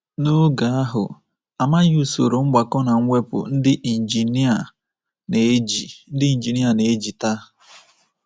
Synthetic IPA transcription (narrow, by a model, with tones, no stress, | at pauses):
no˦ɡa˨a˦ɦʊ̰˨ | a˨ma˦ju˦˨so̰˨ɾo˨ŋ͡m̩˦ɡ͡ba˨kɔ˦na˨ŋ̩ʷ˦e˦pʊ̰˨n̩˦dɪ˦ʔi˨n̩˨d͡ʒi˨ni˦a˨ | ne˨˦d͡ʒi˨n̩˦dɪ˦i˨n̩˨d͡ʒi˨ni˦a˨ne˨e˦d͡ʒi˨ta˦